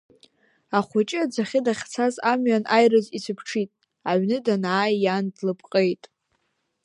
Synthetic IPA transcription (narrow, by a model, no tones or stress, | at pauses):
aχʷat͡ʃʼɪad͡zaχʲɪdaχʲt͡sʰazamɥanʔajrɨzisɨpʰʈ͡ʂʰitʼ | aɥnɨdanaːjjandlɨpʰʼqʼejtʼ